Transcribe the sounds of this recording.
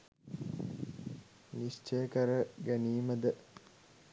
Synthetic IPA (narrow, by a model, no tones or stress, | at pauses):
nist͡ʃəjəkəɾəɡæniːməd̪ə